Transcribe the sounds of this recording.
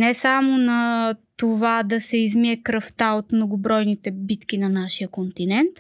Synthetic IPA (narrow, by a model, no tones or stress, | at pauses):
nɛsamonɐt̪ovad̪ɐsɛizmiɛkɾɐft̪aot̪mnoɡʊbɾɔjnit̪ɛbit̪kʲinɐnaʃijəkont̪inɛnt̪